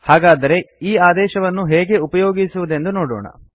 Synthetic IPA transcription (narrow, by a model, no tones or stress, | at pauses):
haːɡaːd̪ɐɾe̞iːaːd̪ɛːʃɐʋɐnːuɦɛːɡe̞upɐjoːɡisuʋud̪e̞nd̪unoːɽo̰ːɳɐ̰